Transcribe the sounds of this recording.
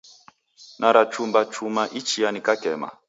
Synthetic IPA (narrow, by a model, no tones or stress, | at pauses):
naɾat͡ʃumbat͡ʃumaʔit͡ʃianikakɛma̰